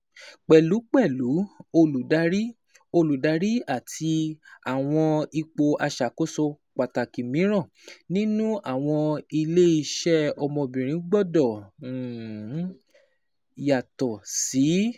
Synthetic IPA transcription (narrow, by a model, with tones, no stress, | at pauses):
k͡pɛ˨lu˨˦k͡pɛ˦˨lu˨˦o˧lu˨da˨˦ɾi˦ | o˧lu˨da˨˦ɾi˦a˦˨tʰi˧a˨w̃ɔ̃˧i˧k͡po˧a˧ʃa˨ko˦so˧ | k͡pa˨ta˨ki˨mĩ˨˦ɾ̃ã˦˨ | nĩ˦nũ˦a˦˨w̃ɔ̃˧i˧le˦i˧ʃɛ˦ɔ˧mɔ̃˧bĩ˨ɾ̃ĩ˨˦ɡ͡bɔ˦dɔ˦˨˦ | ja˨tɔ˨si˨˦